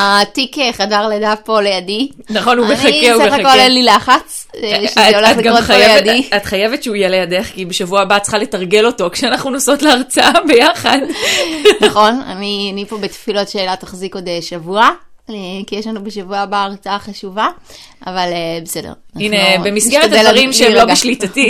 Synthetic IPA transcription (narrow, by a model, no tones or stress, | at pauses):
atikeχadaʁledaːfpo̞lejadi | naχo̞nuveχaeusieakollelilaχat͡s | ʃoeatliɡamʁoχajejtdiatχajevetʃeuijelejadeχkibeʃavuabatt͡sχaletaʁɡe̞lo̞to̞kʃeanaχnunaso̞tleaʁt͡saabejaχad̪ | nχo̞na̰nianipobet̪filo̞tʃeːlat̪aχzikod̪eʃavua | ekijeʃlanubeʃavuabaːʁt͡saaχaʃuva | avalbesedḛʁinebemisɡeʁetaʁimʃelobiʃlitati